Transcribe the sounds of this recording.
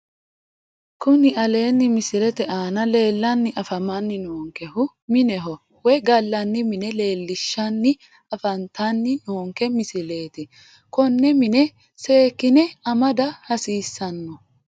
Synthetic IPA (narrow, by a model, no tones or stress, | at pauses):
kʊnɪʔɐle̞ːnːɪmɪsɪlɛt̪ɛʔaːnɐle̞ːlːɐnːɪʔɐfɐmɐnːɪnoːŋkɛhʊ | mɪnɛɦɔ | wɛɡɐlːɐnːɪmɪnɛle̞ːlːɪʃːɐnːɪ | ɐfɐnt̪ʰɐnːɪnoːŋkɛmɪsɪle̞ːt̪ɪ | kɔnːɛmɪnɛ | se̞ːkːɪnɛɐmɐd̪ɐhɐsiːsːɐnːɔ